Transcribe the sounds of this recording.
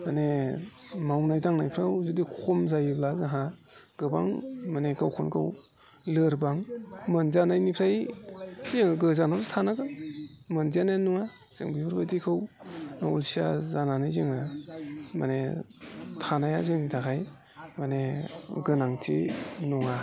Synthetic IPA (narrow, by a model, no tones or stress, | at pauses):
mane | mawnajdaŋnajpʰɾawzudikʰɔmzajɯblazaɦa | ɡ̥ɯba̰ŋmaneɡawkʰɔnkɯ̰w | lɯɾbaŋmɯnzanajnipʰɾaj | zɯŋɡɯzanawtʰanaɡɯmɯnzanenɔŋa | z̥ɯ̰ŋbibʰɯɾbadikʰɯwaṵlsia̰zananajzɯŋa | ma̰ne | tʰanajazɯŋnitʰakʰaj | maneɡɯnaŋtʰḭnɔŋa